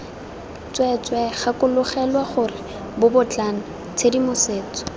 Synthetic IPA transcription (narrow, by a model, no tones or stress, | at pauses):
t͡swɛt͡swɛχakʊlʊχɛlwaχʊrɪ | bʊbʊt͡ɬana | t͡sʰedimʊseːt͡sɔ̥